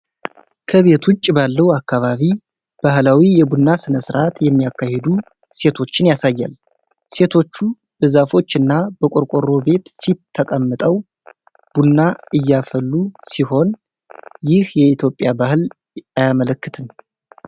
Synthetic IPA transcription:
kʰəβe̞t̪ʰwʊt͡ʃʼːbalːəwakːaβaβi | b̥ahlawijɛbunːasɨnəsɨɾʔat̪jɛmːijakːahed̪u | se̞t̪ʰo̞t͡ʃːɪnjasajːa̰l | se̞t̪ʰo̞t͡ʃːu | b̥əzafo̞t͡ʃːɨnːab̥əkʼoɾkʷʼoɾo̞be̞t̪fit̪ʰːəkʼəmːɨt̪ʼəw | b̥unːaɨjːafəlːusiho̞n | jɪhjɛit̪ʰjo̞pʼjabahɨl | ajamələkːɨt̪ʰɨn

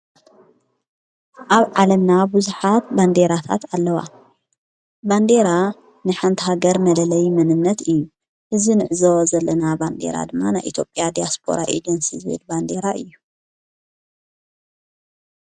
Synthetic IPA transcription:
ʔaβʕalɐmnabuzuħat̪̚band̪eɾat̪ʰa̰t̪alːɐwa̰ | band̪e̞ɾa | nɨħant̪ʰiɦaɡɐɾmɐlɐlɐjmɐnɨnːɐt̪ɨjːu | ʔɨzinɨʕɨzozɐlːɐnaband̪e̞̰ɾa̰d̪ɨmːanajʔḭt̪ʰjo̞pʼjad̪ijaspʰo̰ɾaʔḛd͡ʒɐnsḭzwḛlband̪e̞ɾaʔɨjːu

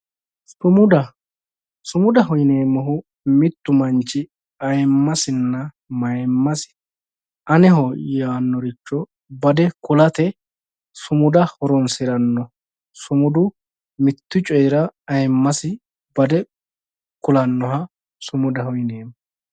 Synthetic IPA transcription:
sʊmʊd̪ɐ | sʊmʊd̪ɐɦɔjneːmɔɦʊ | mɪt̪ːʊmɐnt͡ʃːɪ | ɐjmːɐsɪnːɐ | mɐjmːɐsɪ̥ | ɐnɛhɔjaːnːɔɾɪt͡ʃːɔ | bɐd̪ɛkʊlɐt̪ɛ | sʊmʊd̪ɐhɔɾɔnsɪɾɐnːɔ | sʊmʊd̪ʊ | mɪt̪ːʊt͡ʃʼɔjɾɐɐjmːɐsɪ | bɐd̪ɛ | kʊlɐnːɔɦɐ | sʊmʊd̪ɐhɔjneːmɔ

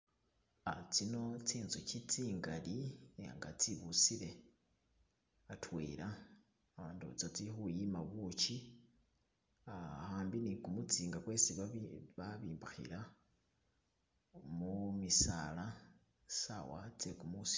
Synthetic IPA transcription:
at͡sino̞t͡siːnzucit͡siːŋɡalieŋɡat͡siβut͡siɾe̞ | atwḛːɾaː | βaːntṵt͡sat͡sixujimaβut͡ʃi | ahaːmbinikumut͡siːŋɡakwesiβaβiːmbaxḭɾa | mumisa̰la | sa̰wa̰t͡sekumusi̥

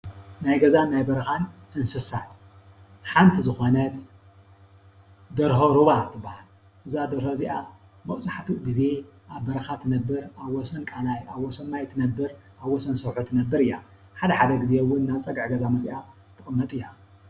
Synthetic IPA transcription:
najɡɐzanːajbɐɾɐxanʔɨnsɨsat̪ | ħant̪ʰizɨxo̞nɐt̪ | d̪ɐɾhoɾuβat̪ʰɨbːahal | ʔɨzad̪ɐɾhoɨziʔa | mɐʔsʼaħat̪ʰuɡize̞ʔaβbɐɾɐxat̪ʰɨnɐbːɨɾaβːɔsɐnkʼanajaβwɔsɐmːajt̪ʰɨnɐbːɨɾʔaβwɔsɐnsɐβħut̪ʰɨnɐbːɨɾɨjːa̰ | ħad̪ɐħad̪ɐɡɨzewːʊnːaβt͡sʼɐɡʕɡɐzamɐsʼja | t̪ʰɨkʼɨmːɐt̪ʼɨjːa

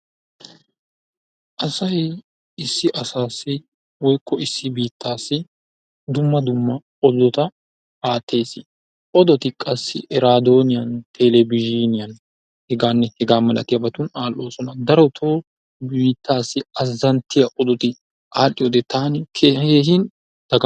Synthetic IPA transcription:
ʔɐsɐj | ɪsːɪʔɐsaːsːɪ | wɔjkʰːɔɪsːɪbiːt̪ːaːsːɪ | d̪ʊmːɐd̪ʊmːɐ | ɔd̪ɔt̪ɐ | aːt̪ʰːe̞ːsɪ | ʔɔd̪ɔt̪ɪkʼɐsːɪʔɛɾaːd̪o̞ːnɪjɐnt̪ʰeːlɛbɪʒiːnɪjɐn | hɛɡaːnːɛhɛɡaːmɐlʔɐ̰t̪ɪjɐbɐt̪ʊnaːlʔo̞ːsɔnɐd̪ɐɾɔt̪ʰoː | biːt̪ːaːsːɪɐzːɐnt̪ːɪjɐʔɔd̪ɔt̪ɪ | aːlːɪjoːd̪ɛt̪ʰaːnɪkʰeːeːhɪn | d̪̥ɐɡɐ

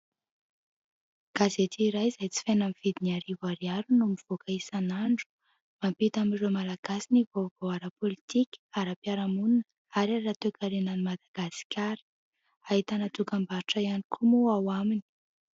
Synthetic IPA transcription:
ɡ̥azet̪iːɾajzajt͡si̥fenamiv̥id̪iniaɾivaɾiaɾunumiv̥okaisanaɳɖ͡ʐu̥ | mampit̪amiromalaɡ̥asinivovowaɾapolit̪ikʲaɾapiaɾamunnə | aɾarat̪ekaɾenanimad̪aɡ̥asi̥kʰʲaɾə̥ | aɦit̪anat̪ukambaɾiʈ͡ʂaianikʰumuawamini̥

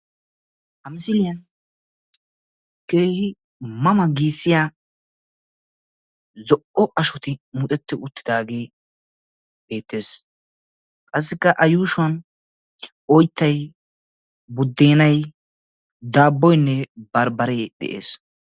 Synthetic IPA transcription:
hɐmɪsɪlɪjɐn | ke̞ːhɪ | mɐmɐɡiːsːɪja | zɔʔɔʔɐʃɔt̪ɪmʊt̪ʼɛt̪ːɪʊt̪ːɪd̪aːɡeː | be̞ːt̪ːe̞ːs | kʼɐs̬ːɪkːɐʔɐjuːʃʊɐn | ɔjt̪ːɐj | bʊd̪ːeːnɐj | d̪aːbːɔjnːɛbɐɾbɐɾɛjd̪ɛ̰ʔḛːs

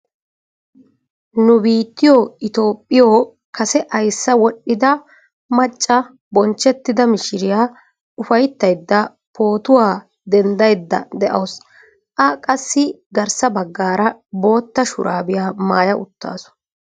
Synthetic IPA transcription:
nʊbiːt̪ːɪjoːɪt̪o̞ːpʼːɪjoː | kɐsɛʔɐjsːɐwɔɗːɪd̪ɐ | mɐt͡ʃʼːɐ | bɔnt͡ʃːɛt̪ːɪd̪ɐmɪʃɪɾɪjaː | ʊfɐjt̪ːɐjd̪ːɐ | pʰo̞ːt̪ʊwaː | d̪ɛnd̪ɐjd̪ːɐ̰d̪ɛʔɐws | ʔɐkʼɐsːɪ | ɡɐɾsɐbɐɡːaːɾɐbo̞ːt̪ːɐʃʊ̰ɾʔaːbɪjaːmaːjɐʔʊt̪ːa̰ːsɔ̥

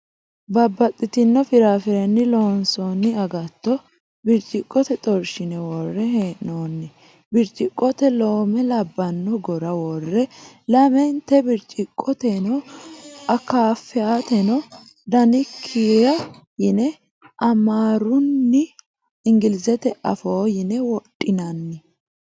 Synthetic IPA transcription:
bɐbːɐt̪ʼːɪt̪ɪnːɔfɪɾaːfɪɾɛnːɪloːnsɔnːɪɐɡɐt̪ːɔ | bɪɾt͡ʃʼɪkʼːɔt̪ɛt̪ʼɔɾʃɪnɛwɔrːɛɦeːʔoːnːɪ | bɪɾt͡ʃʼɪkʼːɔt̪ɛloːmɛlɐbːɐnːɔɡɔɾɐwɔrːɛ | lɐmɛnt̪ːɛbɪɾt͡ʃʼɪkʼːɔt̪ɛnɔ | ɐkaːfːɛat̪ɛnɔ | d̪ɐnɪkʰːijɐ | jɪnɛ | ʔɐmaːɾʊnːɪ | ɪŋɡɪlɪzɛt̪ɛʔɐ̰foːjɪnɛwɔtʼːɪnɐnːɪ

